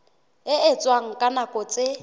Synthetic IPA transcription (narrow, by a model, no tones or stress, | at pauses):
ɪɪt͡sʼwaŋ̩kʼanakʼɔt͡sʼɪ